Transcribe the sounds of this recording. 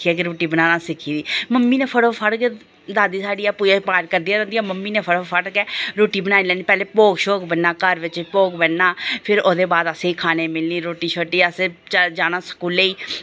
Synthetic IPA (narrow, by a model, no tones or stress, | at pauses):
iaːkeɾoːʈiːbənaːnaːsɪkʰiːd̪iːməmːiːneːpʰəɽoːpʰəɽke | d̪aːd̪iːsaːɖiːaːpuːjaːpaːɾkəɾd̪ijaːɾɛ̃nd̪ijaːməmːiːneːpʰəɽoːpʰəʈkɛːɾoːʈiːbənaːilɛːniːpɛːleːpoːɡʃoːkbənːaːkəɾʋɪt͡ʃpoːɡbənːaːpʰɪɾoːd̪eːbaːd̪əsẽːikʰaːneːmɪlniːɾoːʈiːʃʰoːʈiːəseːt͡ʃd͡ʒaːnaːsə̥kuːleiː